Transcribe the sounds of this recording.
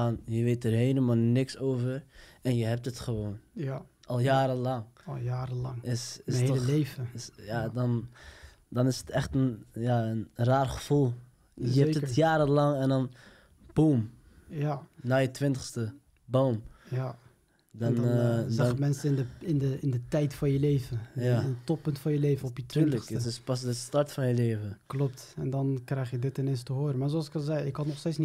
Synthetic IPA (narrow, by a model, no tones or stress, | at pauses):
anjəʋetəɹɦeːləmaːlˠnɪksowvərɛnjəɦɛp̚tətχəʋoːn | ʔɑlˠjaːɾəlɑŋlˠjaːɾəlɑŋɪsɪslevəsjadɑn | dɑnɪsətɛχtənjaənraːrχəv̥ulˠ | jəɛtətjaːɾəlɑŋɛndɑn | b̥uːm | janajətʋɪntəχstə | bowmja | dɔnɛmɛnsəɪndəɪndəɪndətɛjtfɔnjəleːvəjaəntɔppːɵntfɔnjəleːvənɔpjətːəksəsɪspɑsdəstɑɹtfɑnjəleːvənklɔp̚t | ɛndɑnkrɛjχjədɪtɪnejnstəɦoːɾəmaːɹzoɑlsɪ̥kɑlˠzɛjɪkhɑtnɔχsteːsni